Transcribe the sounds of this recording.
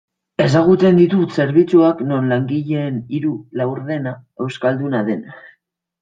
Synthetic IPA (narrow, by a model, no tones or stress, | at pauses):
e̞s̬aɣ̞ut͡se̞nd̪it̪use̞ɾβit͡suakno̞nlaŋɡiʎe̞ːniɾulawɾðe̞nae̞wskald̪unaðe̞na